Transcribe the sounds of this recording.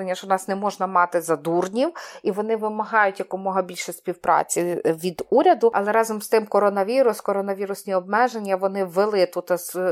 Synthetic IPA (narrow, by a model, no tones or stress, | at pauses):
enʲːɐʃt͡ʃɔnɑsnɛmɔʒnɐmɑt̪ɪzɐd̪urnʲiwiʋɔnɪʋɪmɐɦɑjʊtʲjɐkʊmɔɦɐbʲilʲʃɛsʲpʲiwpɾʔɑ̰t͡sʲiʋʲid̪uɾʲɐd̪ʊɐ̰lˠɛɾɑzɔmst̪ɪmkɔɾɔnɐʋʲiɾʊskɔɾɔnɐʋʲiɾʊsʲnʲiɔb̚mɛʒenʲːɐʋɔnɪʋelˠɪt̪ut̪ɐs